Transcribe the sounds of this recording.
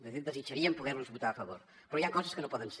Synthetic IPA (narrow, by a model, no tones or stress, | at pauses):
ðəθid̪əzit͡ʃəɾiəmpuɣɛɾnuzβut̪aəfəβoɾ | pɾɔjaŋkɔzəskənopɔðəns